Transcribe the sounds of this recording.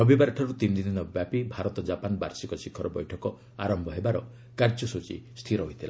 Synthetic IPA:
nɔbibaɾʈʰɔɾut̪ind̪id̪inɔbjapibʱaɾɔt̪ɔd͡ʒapanba̰ɾsikɔsikʰːɔɾɔbɔjʈʰɔkɔ | a̰ɾɔmbʱɔɦebaɾɔ | kaɾd͡ʒɔsut͡ʃḭst̪ʰiɾɔɦojt̪ʰila

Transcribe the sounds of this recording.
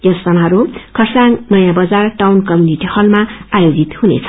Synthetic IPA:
jʌsːʌnaɾukʰʌrsaŋnʌjãbʌd͡zarʈawnkʌmjuniʈihʌlmaajod͡zit̪hunḛt͡sʰʌ̥

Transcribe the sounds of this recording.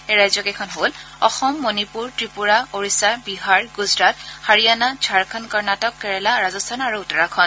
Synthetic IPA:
eɹajzɔkɛkʰɔnɦol | ɔ̰xɔmːonipuɹtɹipuɹaoɹisabiɦaɹɡuzɹat̚haɹijanad͡ʒʱaɹkʰɔnkɔɹnatɔkːɛɹɛlaɹazɔstʰanaɹuutɔɹakʰɔn

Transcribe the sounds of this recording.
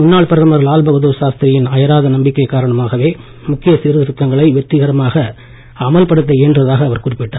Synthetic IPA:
mʊnːaːɭpɐɾɐɐmɐɾɭaːlbɐɣɐðoːʃaːst̪ɪɾɐjɪnɐjɐɾaːðɐnɐmbɪkːɐɪkːaːɾɐɳɐmaːɣɐʋeː | mʊkːɪjɐsɪɾɯðɾʊk̪ːɐŋɡɐɭɐɪʋɛt̪ːɪɣɐɾɐmaːɣɐ | ɐmɐlpɐɽɯt̪̬ːɐeːndrɐðaːɣɐːʋɐɾkʊrɪpːɪʈːaː

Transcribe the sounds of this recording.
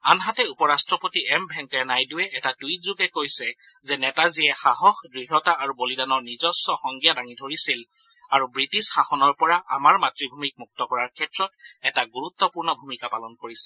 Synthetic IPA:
anɦatɛupɔɹastɹɔpotiɛmbʱɛŋkɛɹnajduwɛʔɛtatujtzuɡɛkojsɛ | zɛnɛtaziɛxaɦɔxdɹiɦɔtaaɹubolidanɔɹnizɔsɔxɔŋɡijadaŋidʱoɹisil | aɹubɹitisxaxɔnɔɹpɔɹaʔa̰maɹmatɹibʱumik̚muk̚tɔkɔɹaɹkʰɛtɹɔtɛtaɡuɹut̪ːɔpuɹnɔbʱumikapalɔnkoɹisɛ̥

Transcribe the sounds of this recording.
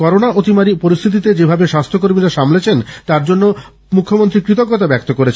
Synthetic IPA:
kɔɾonaʔot̪imaɾipoɾist̪ʰit̪̬it̪ed͡ʑebʱabeʃast̪ʰokoɾmiɾaʃamlet͡ɕʰent̪aɾd͡ʑonːo | mukʰːomont̪ɾikɾit̪̬okːɔt̪abɛk̚t̪okoɾet͡ɕʰ

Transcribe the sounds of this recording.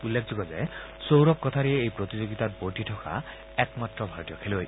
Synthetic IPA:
ulːekʰd͡zɔɡɔzḛ | sowɾɔk̚kːɔt̪ʰaɾieːjpɾot̪id͡ʒoɡit̪aɾboʈiʈʰɔkʰa̰ | ɛkmat̪ɾɔbʱaɾɔt̪ijɔkʰeloj

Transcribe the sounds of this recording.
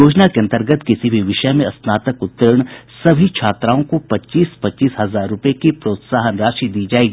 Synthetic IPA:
oːd͡ʒnakeɐ̃nt̪əɾɡət̪kɪsibʱiʋɪʃəmẽɐsnaːt̪əkʊt̪ːəɾəɽ̃sɐbʱikt͡ʃʰaːt̪ɾaːõkopɐt͡ʃiːspɐtːt͡ʃiːsɦɐzaːɾːʊpekipɾoːt̪saːɦənɾaːʃid̪iːd͡ʒaːeːɡiː

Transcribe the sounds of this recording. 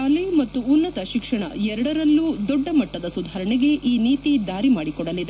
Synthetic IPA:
ɐlemɐt̪ːuːnːɐt̪ɐʃikʂɐɳɐ̰ɛɾɐɽɐɾɐlːud̪ɔɖːɐmɐʈːɐd̪ɐsud̪ʱaːɾɐɳiɡe̞ʔiːniːt̪id̪aːɾimaːɽikɔɽɐlid̪e

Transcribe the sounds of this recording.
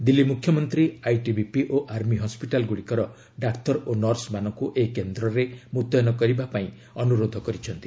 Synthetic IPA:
d̪ilːimukʰjɔmɔnt̪ɾiajʈibipiʔoʔaɾmiɦɔspiʈalɡuɽikɔɾɔ | ɖakt̪ɔɾonɔɾsmanɔŋkuʔekend̪ɾɔɾemut̪ɔjnɔkɔɾibapaĩ | ɔnuɾod̪ʱɔkɔɾit͡ʃʰɔnt̪i̥

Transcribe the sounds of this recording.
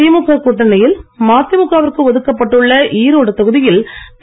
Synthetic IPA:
iːmʊkːaːkuʈːɐnɐjɪlmaːt̪ːɪmʊkːaːʋɐɾkɯʋɐðɯkːɐpːɐʈːɯɭːɐʔiːɾoːɽɐt̪ːɐɣɯðɪjɪlt̪

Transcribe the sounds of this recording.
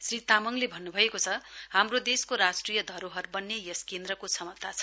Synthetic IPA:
srit̪amʌŋlebʱʌnːubʱʌekot͡sʰʌhamrod̪eskoɾasʈrijʌd̪ʱʌɾoɦʌrbʌnːejʌskend̪rʌkosʰʌmʌt̪ːat͡sʰʌ̥

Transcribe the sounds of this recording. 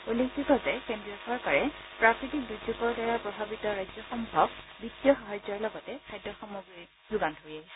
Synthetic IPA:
uleksitɔzɛkendɹiɔsɔɹkaɹɛpɹakɹitik̚duzuɡɔɹdaɹapɹɔbʱabitɔɹajzɔxɔmbʱɔb̚bitːijɔxaɦɔjzɔɹlɔɡɔtɛkʰajdɹɔxɔmuɡɹiɹ | zuɡantɦojɛ

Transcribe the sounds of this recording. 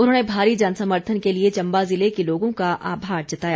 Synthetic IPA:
ʊnɦõːnebʱaːɾid͡ʒansəməɾt̪ʰənkeliet͡ʃɐ̃mbazɪlekeloːɡõkaʔa̰ːbʱaːɾd͡ʒɐt̪aːja

